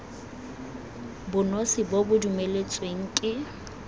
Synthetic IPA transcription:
bʊnosɪbobʊdumelet͡sʼweŋ̩kʼɪ

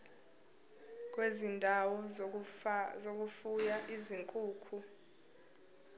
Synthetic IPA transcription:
k̬ʼwezindʱawɔ | zok̬ʼufujaʔiziŋkʼuːkʰu

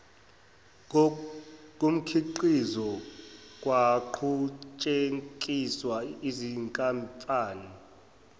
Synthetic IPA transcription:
k̬ʼum̩kʰiǃizɔ | k̬ʼwaǃʰut͡ʃʼeŋkʼiswaiziŋkʼampʼaːni

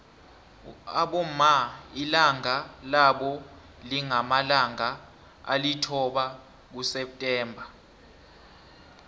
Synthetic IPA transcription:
aɓɔmailaŋalaɓɔ | liŋamalaŋa | a̰litʰɔɓa | k̬usɛp̚tʼɛːmbʱa

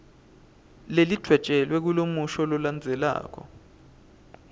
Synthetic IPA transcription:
lelid̥ʱwɛd̥t͡ʃʼɛlwɛk̬ulomuʃɔlɔland͡zʱɛla̰ːk̬ʰɔ̰

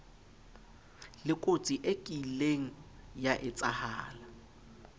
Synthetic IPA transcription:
lɪkʼot͡sʼiʔekʼileŋ̩jaʔɪt͡sʼahaːla

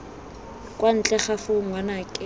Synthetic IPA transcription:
kʼwan̩t͡ɬʼɛχafʊŋwanakʼɪ

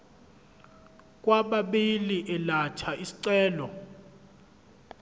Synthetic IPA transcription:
k̬ʼwaɓaɓiliʔɛlat͡ʃʰaʔisi̥ǀɛːlɔ

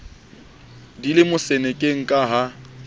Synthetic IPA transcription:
dilɪmʊsɛnɛkʼeŋ̩kʼaɦa

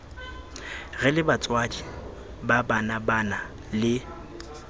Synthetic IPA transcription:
ɣɛlɪbat͡sʼwadi | babanabana | lɪ

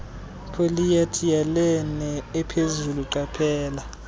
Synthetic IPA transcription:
pʰolijatʰijalɛnɛɛpʰezuluǀapʰɛːla

